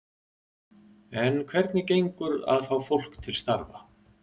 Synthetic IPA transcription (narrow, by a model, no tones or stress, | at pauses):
ɛnkʰvɛɾt̪nɪcejŋkʏɾa̰ðfawfowl̥kt̪ʰɪlst̪aɾva̰